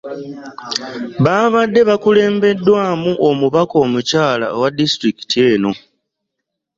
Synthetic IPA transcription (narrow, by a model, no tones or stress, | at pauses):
βaːβadːe̞βakule̞ːmbe̞dːwaːmuʔo̞muβako̞ːmucaːla̰wadːistɾiki̥tie̞ːno̞